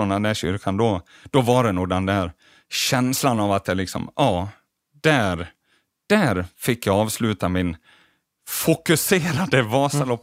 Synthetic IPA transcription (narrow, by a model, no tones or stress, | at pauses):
ɔnd̪ɛnd̪æɕʏ̰ɾkʰand̪ɔ | d̪̥ɔvaɖɛnuːɡd̪ɛnd̪æɾ | ɕɛnslanavat̪̚d̪ɛlɪksɔ̰mʔɑː | d̪̥æɾ | d̪̥æɾfɪkːjɑɑːvslʉ̟ːt̪amɪn | fʊkɵseːɾad̪əvɑːsalɔpː